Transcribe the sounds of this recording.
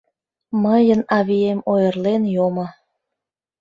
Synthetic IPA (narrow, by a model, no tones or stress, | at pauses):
məjənɑβiemojərlenjomo